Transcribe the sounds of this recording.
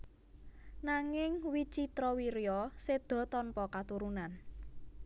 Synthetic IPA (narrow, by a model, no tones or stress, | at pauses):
naŋɪŋwit͡ʃit̪ɾɔwiɾjɔsed̪̥ɔ̤t̪ɔnpɔkat̪uɾunan